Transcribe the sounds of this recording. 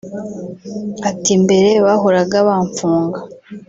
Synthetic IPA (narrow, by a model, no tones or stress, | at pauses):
atimbe̞ɾe̞βaɦo̞ɾaɡaβaːɱfuːŋɡa